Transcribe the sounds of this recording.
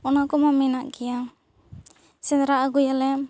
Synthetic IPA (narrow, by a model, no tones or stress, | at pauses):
ɔnakɔmaminaʔɡia | sɛnɾaːɡujalɛm